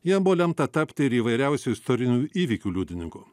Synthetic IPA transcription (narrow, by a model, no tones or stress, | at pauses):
jiɛmbʊʋoːlʲɛmt̪ɐt̪ɐpʲt̪ʲɪɪɾiːʋɐɪɾʲɛˑʊsʲuɪst̪ɔɾʲɪnʲuːiːʋʲikʲuːlʲuːd̪ʲɪnʲɪŋkuː